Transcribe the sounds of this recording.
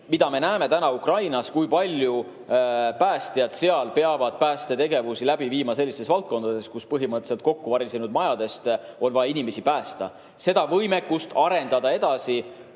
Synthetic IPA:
mid̪̥ɑme̞næːme̞t̪ænɑukrɑjnɑskujpɑlʲju | pæːst̪ijɑd̪̥se̞ɑlpe̞ɑvɑd̪̥̚pæːst̪e̞t̪e̞ɡe̞vusilæbiviːmɑse̞lʲːist̪esvɑlt̪̚ko̞nd̪̥ɑd̪̥e̞skuspɤɦimɤt̪ːˑeselt̪̚ko̞kːuvɑɾisenud̪̥̚mɑjɑd̪e̞st̪o̞nvɑjɑinime̞sipæːst̪ɑ | se̞d̪ɑvɤjme̞kːˑust̪ɑɾe̞nd̪ɑd̪ɑe̞d̪̥ɑsi

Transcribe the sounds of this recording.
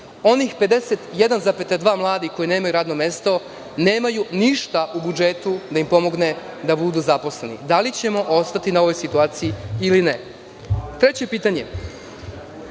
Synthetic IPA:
o̞nixpe̞d̪e̞set̪je̞d̪anzapet̪ad̪ʋaːmlˠaːd̪iko̞jineːmajuɾaːd̪no̞me̞st̪o̞ | ne̞ːmajuniʃt̪aʔubud͡ʒet̪ud̪aimpo̞mo̞ɡne̞ | d̪abud̪uzapo̞sle̞nḭd̪alit͡ɕe̞mo̞ʔo̞st̪at̪inao̞ʋo̞jsit̪uaːt̪sijiiline | t̪ɾe̞t͡ɕe̞piːt̪aɲe̞

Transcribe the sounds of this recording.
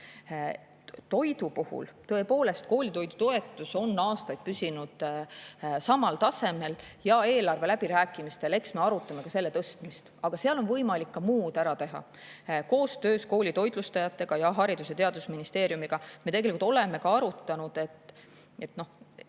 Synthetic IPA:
t̪o̞jd̪upuhṵlt̪ɤ̞e̞po̞ːle̞st̪̚ko̞ːlʲit̪o̞jd̪ut̪o̞e̞t̪ːˑuso̞nːɑːst̪ɑjd̪̥̚pysinud̪̥ | sɑmɑlt̪ɑse̞me̞ljɑe̞ːlɑrve̞læb̥iɾæːkːˑimist̪ele̞ksme̞ɑɾut̪ˑːɑme̞kɑse̞lːe̞t̪ɤst̪mist̪ɑɡ̥ɑseɑlo̞nvɤjmɑlikːɑmuːd̪̥æɾɑt̪e̞ɦɑ̰ | ko̞ːst̪ø̞ːsko̞ːlʲit̪o̞jd̪̥lust̪ɑjɑt̪ːˑe̞ɡ̥ɑjɑɦɑɾid̪uset̪eɑd̪usminist̪e̞ːɾijumiɡ̥ɑme̞t̪e̞ɡelikult̪o̞le̞me̞kɑɑɾut̪ːˑɑnud̪̥e̞t̪ːˑ | e̞t̪no̞

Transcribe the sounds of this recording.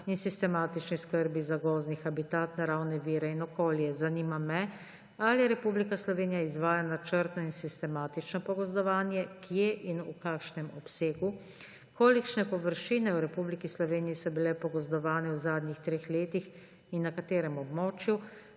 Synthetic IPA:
insist̪ɛmaːt̪it͡ʃniskəɾbizaɡɔːznixabit̪aːt̪naɾawnɛʋiːɾɛinɔkoːljɛzanimamɛ | alijɛɾɛpublikaslɔʋeːnijaizʋaːjanat͡ʃəɾt̪nɔinsist̪ɛmaːt̪it͡ʃnɔpɔɡɔzd̪ɔʋaːnjɛkjeʔinukakʃnɛmɔpseːɡu | kʰoːlikʃnɛpɔʋəɾʃiːnɛuɾɛpublikislɔʋeːnijisɔbilɛpɔɡɔzd̪ɔʋaːnɛwzaːd̪nixt̪ɾeːxleːt̪ix | inːakat̪eːɾɛmɔbmɔːt͡ʃju

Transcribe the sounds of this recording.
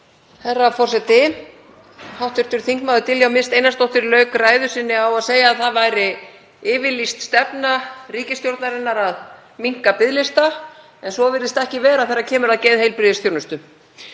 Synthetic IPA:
hɛrːafɔrsɛt̪ɪ | hawht̪ʏɾt̪ʏɾ̥θiŋ̥kmawðʏt̪ʰɪljawmɪnst̪ejnast̪ɔwht̪ɪɾlœːɥkraːjðʏsɪnːɪawaðseːjaːðθaðvajɾɪ | ɪːvɪlist̪st̪ɛpnariːcɪst̪jowɾt̪naɾɪnːaɾað | miŋ̥kapɪðlɪst̪a | ɛnsɔvɪɾðɪst̪aɛhcɪvɛːɾaðθejɾːacʰɛːmʏɾaðceːjðhejlpɾɪðɪsθjownʏst̪ʏ

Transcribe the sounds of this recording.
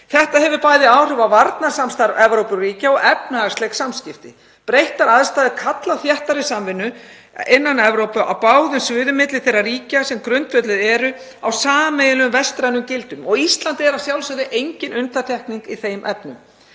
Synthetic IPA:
θɛht̪ahɛvʏɾpaːjðɪaːwr̥ʏvavaɾt̪nasamst̪aɾɛvɾowpʏɾriːcaɔɣɛpnast̪lɛksamscɪft̪ɪ | pɾejht̪aɾaðst̪aːðɪkʰat̪laθjɛht̪aɾɪsamvɪnːʏ | ɪnːanɛvɾowpʏʔa̰wpaːwðʏnsvɪːðʏmɪt̪lɪ̥θejrːariːcasɛmkɾʏnt̪fœt̪lɪðɛːɾʏ | awsaːmejðɪlʏmvɛst̪ɾajnʏmcɪlt̪ʏmɔɣist̪lant̪ɪɛɾasjawlsaðɪʔejɲcɪnʔʏnt̪aɾ̥t̪ʰɛhkniŋkiθejmʔɛpnʏm

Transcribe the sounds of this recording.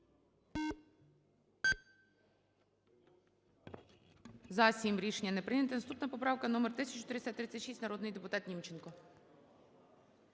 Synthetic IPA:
zɐsʲimɾʲiʃenʲːɐnɛpɾɪjnʲɐt̪ɪnɐst̪upnɐpɔpɾɑwkɐnɔmert̪ɪsʲɐt͡ʃʊt̪ɾɪesʲat̪ːɾɪt͡sʲːɐt̪ʲʃisʲtʲnɐɾɔd̪nɪjd̪epʊt̪ɑt̪nʲimt͡ʃenkɔ

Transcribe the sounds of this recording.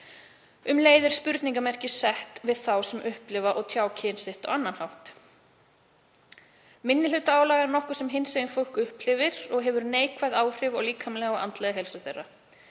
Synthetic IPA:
ʏmleːjðɪɾ̥spʏɾt̪niŋkamɛr̥cɪsɛht̪vɪðθawsɛmʔʏhplɪvaʔɔɣt̪ʰjaːwcʰɪːnsɪht̪ɔ̰ɣanːanhawht̪ | mɪnːɪl̥ʏt̪aaːwlaːɣɛɾnɔhkʏ̥sɛmɦɪnseɪnfowl̥kʏhpl̥ɪvɪɾɔɣɦɛvʏɾneːjkvajðaːwr̥ɪvɔɣliːkʰamlɛɣɔa̰nt̪lɛɣaɦɛlsʏθerːa

